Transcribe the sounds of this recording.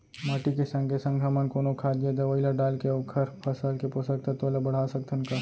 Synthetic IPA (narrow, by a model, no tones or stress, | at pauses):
məʈikesə̃ŋɡʱesə̃ŋɡʰʱəmənkoːnokʰaːd͡ʒed̪eʋəɪlaɖaːlkeoːkʰəɾpʰɐsəlkeposək̚t̪ʰet̪olebɐɽ̤aːsɐk̚t̪ʰʊnka